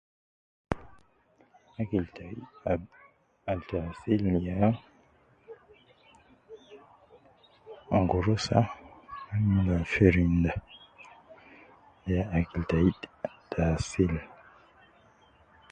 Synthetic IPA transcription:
akiltai | altasilja | aŋɡoɾosa̰amilafeɾinda | jaakiltaittasil

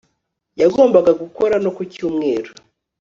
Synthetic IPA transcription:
jaɡo̞ːmbaɡaɡuko̞ɾano̞kucuːmŋe̞ːɾo

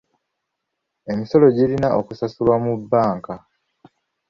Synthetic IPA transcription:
e̞miso̞lo̞ɟilinaʔokusasulwamubːaːŋka

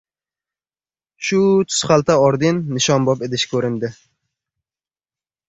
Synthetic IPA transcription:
ʃʊt̪ʰʊ̥sχalt̪ʰaɒɾd̪ɪnːɪʃɒnbɒped̪ɪʃkʲʰɵɾɪnd̪ɪ

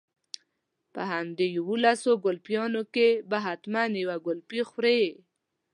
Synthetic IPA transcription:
pə̰ɦamd̪ejawolasoɡʊlpjɑnokebaɦat̪manjawaɡʊlpixɾe

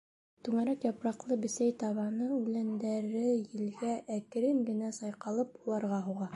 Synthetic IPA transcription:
t̪ʉŋæɾækjɑpɾɑqlˠɤbɘ̆sæjt̪ɑβɑnɤʉlænd̪æɾɘjɘ̆lɡæʔækɘ̆ɾɘŋɡɘ̆næsɑjqɑlˠɤpulˠɑɾʁɑɦuʁɑ

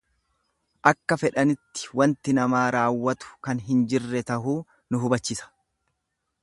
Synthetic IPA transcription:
ʔɐkːɐfɛᶑɐnɪt̪ːɪ̥wɐnt̪ɪnɐmaːɾaːwːɐt̪ʊ̥kɐnɦɪnd͡ʒɪrːɛt̪ɐɦuː | nʊɦʊbɐt͡ʃːɪsɐ̥

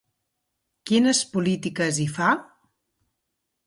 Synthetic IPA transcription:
kinəspulit̪ikəzifa

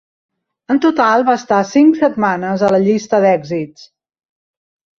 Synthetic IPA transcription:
ənt̪ut̪alˠβaəst̪asiŋksət̪manəzələʎist̪əðɛɡzits

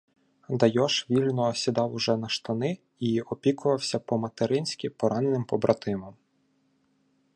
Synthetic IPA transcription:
d̪ɐjɔʃʋʲilʲnɔːsʲid̪ɑwʊʒɛnɐʃt̪ɐnɪ | iɔpʲikʊʋɐwsʲɐpɔmɐt̪eɾɪnʲsʲkʲipɔɾʔɑnenɪmpɔbɾɐt̪ɪmɔm

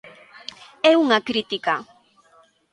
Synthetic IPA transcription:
euŋakɾɪt̪ɪka

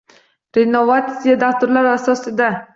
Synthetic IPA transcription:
ɾenovat̪ijad̪aft̪ʊɾlaɾasɒsɪd̪a

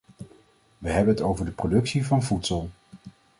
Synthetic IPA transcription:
ʋəɦɛbənətowvəɹdəprodɵksivɑnvutsəlˠ

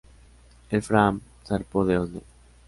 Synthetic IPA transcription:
elfɾam | θaɾpoðeond̪e

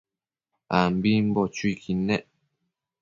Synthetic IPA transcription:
ambimbɔt͡ʃuikʰinɛʔ

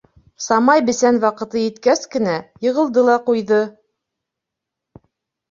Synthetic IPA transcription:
sɑmɑjbɘ̆sænwɑqɤ̆t̪ɤjɘ̆t̪kæskɘ̆næjɤ̆ʁɤ̆lˠd̪ɤlˠɑqujðɤ

